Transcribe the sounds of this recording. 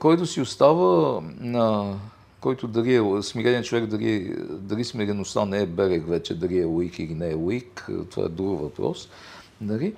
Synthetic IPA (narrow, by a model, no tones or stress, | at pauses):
kɔjt̪osiost̪avənɐ | kɔjt̪od̪ɐɾiɛsmiɾɛnʲit͡ʃovɛkd̪ɐɾḭɛd̪ɐɾismiɾɛnost̪anɛɛbɛɾɛkvɛt͡ʃɛd̪ɐɾiɛoikilinɛːoikt̪ova̰ɛ̰d̪ɾuɡvɐpɾɔ̰s | nɐli